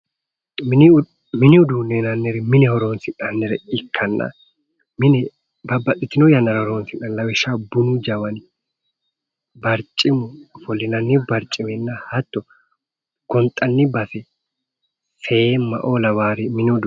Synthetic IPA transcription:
mɪn | mɪnɪʊd̪uneːnɐnːɛɾɛmɪnɛhɔɾoːnsɪnɐnːɛɾɛɪkʰːɐnːɐ̰ | mɪnɛ | bɐbːɐt̪ʼːɪt̪ːɪnɔjɐnːɐɾɐhɔɾoːnsɪnɐnːɐwɛʃːabʊnʊd͡ʒɐwɐn | bɐɾt͡ʃʼːɪmʊfɔlːɪnɐnːɪbɐɾt͡ʃʼːɪmɛnːɐhɐt̪ːɔ | ɡ̥ɔnt̪ʼɐnːɪbɐsɛ | semɐ̰ʔoːlɐwaːɾɪmɪnɪʊd̪

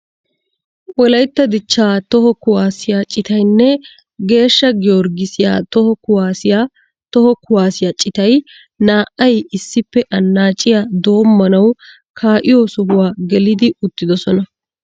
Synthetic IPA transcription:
wɔlɐjt̪ːɐd̪ɪt͡ʃːaːt̪ɔhɔkʊwaːsɪjaːt͡ʃʼɪt̪ɐjnːɛ | ɡe̞ːʃːɐɡɪɔɾɡɪsɪja̰ːt̪ɔhɔkʊwaːsɪjaː | t̪ɔhɔkʊwaːsɪjaːt͡ʃʼɪt̪ɐj | naːʔɐjɪsːɪpːɛʔɐnːaːt͡ʃʼɪjad̪o̞ːmːɐnɐw | kʰaːʔɪjoːsɔɦʊwaːɡɛlɪd̪ɪʊt̪ːɪd̪ɔsɔnɐ

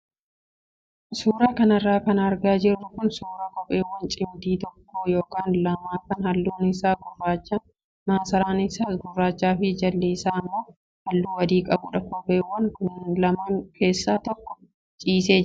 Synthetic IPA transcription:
suːɾaːkɐnɐrːaːkɐnɐɾɡaːd͡ʒɪrːʊkʊnsuːɾaːkʼɔpʼe̞ːwɐnt͡ʃʼɪmd̪iːt̪ɔkːoːjo̞ːkaːnlɐmaːkɐnhɐlːuːnɪsaːɡʊrːaːt͡ʃːɐn | maːsɐɾaːnɪsaːɡʊrːaːt͡ʃːaːfɪd͡ʒɐlːiːsaːmːoː | hɐlːuːwɐd̪iːkʼɐbʊᶑɐkobeːwːɐnkʊnlɐmɐnkʰe̞ːsːaːt̪ɔkːɔ̥ | t͡ʃʼiːseːd͡ʒɪ

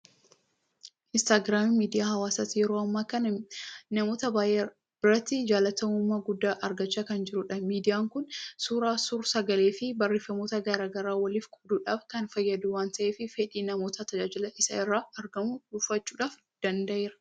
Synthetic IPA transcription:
ʔɪnst̪aːɡɾaːmmiːd̪ɪjaːhɐwaːsɐt̪ijɛɾoːɐmːaːkɐnnɐmo̞ːt̪ɐbaːʔe | b̥ɪɾɐt̪ːɪd͡ʒaːlɐt̪ɐʊmːaɡʊd̪ːaːʔɐɾɡɐt͡ʃːakɐnd͡ʒɪɾʊᶑɐmiːd̪ɪjaːŋkʊnsuːɾaːsuɾsɐɡɐleːfɪbɐrːeːfɐmo̞ːt̪ɐɡɐɾaːɡɐɾaːwɐliːfkʰʼʊbd̪uːᶑaːfkɐnfɐjːɐd̪uːwaːnt̪ɐʔe̞ːfɪfeᶑiːnɐmo̞ːt̪ɐt̪ɐd͡ʒaːd͡ʒɪlɐʔɪsɐ̰ɪrːaːɐɾɡɐmʊdʊfːɐt͡ʃːuːᶑaːf | d̪̥ɐnd̪ɐʔeːɾɐ̥

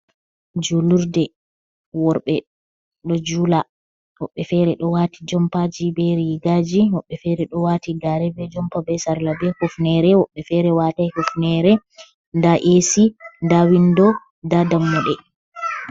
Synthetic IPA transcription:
d͡ʒuluɾdɛ | wɔɾɓɛ | ɗɔd͡ʒuːla | wɔɓːɛfɛɾɛɗɔwatid͡ʒɔmpad͡ʒibɛɾiɡad͡ʒiwɔɓːɛfɛɾɛɗɔwatiɡaɾɛbɛd͡ʒɔmpabɛsaɾlabɛhɔfnɛɾɛwɔɓːɛfɛɾɛwatajhɔfnɛɾɛ | ndaʔesindawindɔ | dadamːɔɗɛ

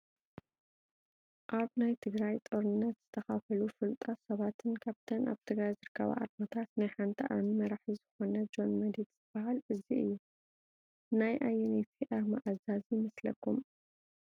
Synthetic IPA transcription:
ʔaβnajt̪ʰɨɡɾajt̪ʼoɾɨnːɐt̪z̥ɨt̪ʰɐxafɐlufɨlt̪ʼɐsɐβat̪ʰɨnkʰaβt̪ʰɐna̰βt̪ʰɨɡɾajzɨɾɨkʰːɐ̰βa̰ʔa̰ɾmɐt̪ʰat̪najħant̪ʰiʔamimɐɾaħizɨxo̞nɐd͡ʒo̞nmɐd̪id̪z̥ɨbahalɨziɨ̰jːu | najʔajɛnet̪ʰiʔaɾmaʔazazimɐslɐ̰kːum

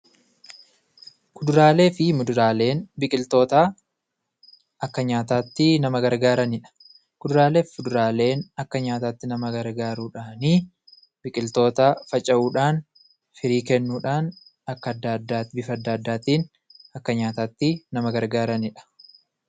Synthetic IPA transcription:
kʊd̪ʊɾaːle̞ːfɪmʊd̪ʊɾaːle̞ːnbɪkʼɪlt̪o̞ːt̪aː | ɐkːɐɲaːt̪aːt̪ːɪnɐmɐɡɐɾɡaːɾɐnɪᶑɐ̥ | kʊd̪ʊɾaːle̞ːfʊd̪ʊɾaːle̞ːnɐkːɐɲaːt̪aːt̪ːɪnɐmɐɡɐɾɡaːɾuːᶑaːniː | bɪkʼɪlt̪o̞ːt̪aːfɐt͡ʃʼɐʔuːᶑaːn | fɪɾiːkɛnːuːᶑaːn | ɐkːɐd̪ːad̪ːaːbɪfɐɐd̪ːɐːd̪ːaːt̪iːn | ɐkːɐɲaːt̪aːt̪ːɪnɐmɐɡɐɾɡaːɾɐnɪᶑɐ̥

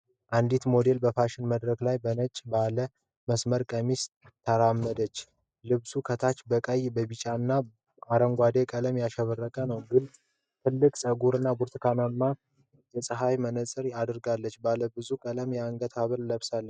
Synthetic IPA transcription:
ʔand̪it̪mo̞d̪e̞lbəfaʃɪnməd̪ɾəklajbənət͡ʃʼːbalə | məsməɾkʼəmis | t̪ʰːəɾamːəd̪ət͡ʃː | lɨβsukʰət̪ʰat͡ʃbəkʼəjbəβit͡ʃʼanːa | aɾəŋɡʷad̪e̞kʼələmjaʃɛβərːəkʼənəwɡɨn | t̪ʰɨlːɨkʼsʼəɡuɾɨnːabuɾt̪ʰkʰanamːa | jɛsʼɨɦajmənəsʼɨɾad̪ɨɾɡalːət͡ʃːbaləbɨzukʼələmjɛaŋɡət̪ʰaβəlləβsalːə

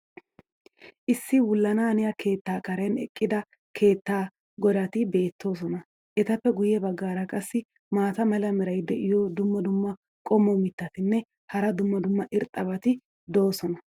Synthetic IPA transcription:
ʔɪsːɪwʊlːɐnaːnɪjɐkʰe̞ːt̪ːaːkʼɐɾɛnɛ̰kʼːɪd̪ɐ | kʰe̞ːt̪ːaː | ɡɔd̪ɐt̪ɪbe̞ːt̪ːo̞ːs̬ɔnɐ | ʔɛt̪ɐpːɛɡʊjːɛbɐɡːaːɾɐkʼɐsːɪ | maːt̪ɐmɐlɐmɛɾɐjd̪ɛʔɪjod̪ʊmːɐd̪ʊmːɐ | kʼɔmːɔmɪt̪ːɐt̪ɪnːɛ | hɐɾɐd̪ʊmːɐd̪ʊmːɐʔɪɾt̪ʼɐbɐt̪ɪ | d̪o̞ːsɔnɐ

